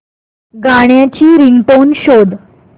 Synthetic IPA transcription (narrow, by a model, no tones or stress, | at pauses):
ɡaɳjat͡ɕiːɾiŋɡʈonɕod̪